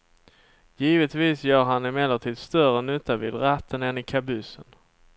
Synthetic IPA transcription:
jiːvət̪viːsjœːɾɦanɪmɛlːəʈʰiːd̪st̪œrənɵt̪ːavɪ̰ːd̪ɾat̪ːənɛnɪkʰabɵsːən

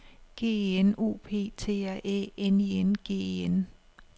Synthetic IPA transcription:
ɡ̥e̝̰ːeno̝̰ːpʰe̝̰ːt͡sʰe̝̰ːæʔḛːenienɡ̥e̝̰ːeen

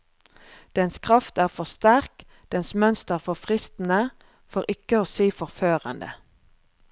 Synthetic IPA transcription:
d̪̥ɛnskʰʁɑft̪æːʁfɔʁst̪æʁk | d̪̥ɛnsmœnst̪əʁfɔʁfʁɪst̪n̩ə | fɔʁʔɪkəoːseːfɔʁføːʁə̰nd̪ə̰

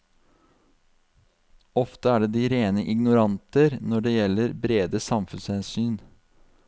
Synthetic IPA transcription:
ɔft̪əæːɖeːd̪iːɾeːnəʔɪɡnʊɾɑnt̪əɾnɔɖeːjɛlːəɾbɾeːd̪əsɑmfʉnshɛnsyːn

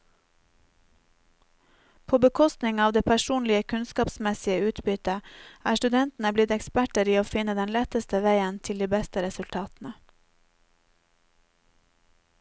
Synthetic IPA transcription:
pʰoːbəkʰɔst̪nɪŋɑːʋd̪eːpʰæʃuːnlɪəkʰʉnskɑːpsmɛsɪəʉːt̪bʏt̪əæːʃtʉd̪ɛnt̪n̩əblɪt̪ɛkspæʈəɾiːoːfɪnəd̪ɛnlɛt̪əst̪əʋæɪənt̪ʰɪld̪iːbɛst̪əɾɛsʉlt̪ʰɑːt̪n̩ə

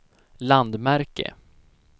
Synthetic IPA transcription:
land̪mæɾkə̰

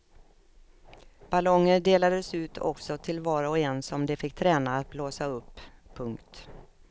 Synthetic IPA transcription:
b̥alɔŋːəɖeːlad̪əsʉ̟ːt̪ʰɔ̰ksɔt̪ʰɪlvɑːɾaɔɛnsɔmd̪ɛfɪk̚ːt̪ʰɾɛːnaːt̪̚bloːsaɵpːʰɵŋkt̪

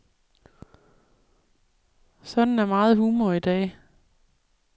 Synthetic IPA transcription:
sɒ̽d̥n̩æɐmɑ̈ːð̞̩ˠhuːmɐid̥ɛ̰ː

